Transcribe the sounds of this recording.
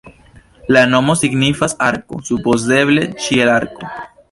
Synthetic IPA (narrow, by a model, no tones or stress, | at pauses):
lano̞mo̞siɡnifasaɾko̞̰supo̞ze̞βle̞t͡ʃielaɾko